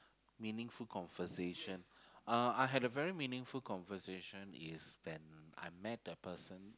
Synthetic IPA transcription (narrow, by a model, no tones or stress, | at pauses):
mĩnɪ̃ŋfulkʰɔ̃nvəseʃə̃naaɪɦɛdəvɛɹimĩnɪ̃ŋfulkɔ̃nvəseʃə̃nɪswɛ̃na̰jmɛt̚əpəsə̃n